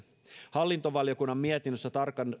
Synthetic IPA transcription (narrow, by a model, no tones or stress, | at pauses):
hɑlːint̪o̞ʋɑljo̞kunːɑmːiet̪inːøsːæt̪ɑrkɑn